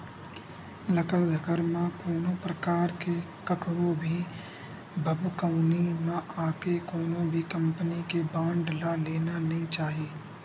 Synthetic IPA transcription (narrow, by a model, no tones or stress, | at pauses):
lɐkəɾd̪ʱəkəɾmãkoːnõpɾəkaːɾke | kɐkɾõbʱi | bʱəbkaʊnimãʔaːkekoːnõbʱikɐ̃mpənikebãːɳɖlaleːnanɐɦĩt͡ʃaːɦiː